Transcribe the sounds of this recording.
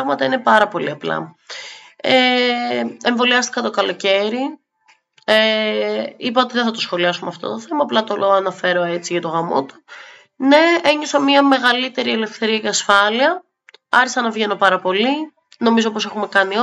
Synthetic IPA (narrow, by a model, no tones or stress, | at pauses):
ɣmɐt̪ɐine̞pɐɾɐpo̞liɐplɐ̰ | e | eɱvo̞liɐst̪ikɐt̪o̞kɐlo̞ce̞ɾi | e | ipɐo̞t̪iðeθɐt̪o̞sxo̞liɐsumeɐft̪o̞̰t̪o̞θe̞mɐːplɐt̪ooɐnɐfe̞ɾo̞et͡siʝɐt̪o̞ɣɾɐmo̰t̪u̥ | ne̞eɲosɐmiɐme̞ɣɐlit̪e̞ɾiele̞fθe̞ɾiɐceɐsfɐliɐ | ɐ̰çisɐnɐvʝe̞no̞pɐɾɐpo̞li | no̞mizo̞po̞se̞xume̞kɐnio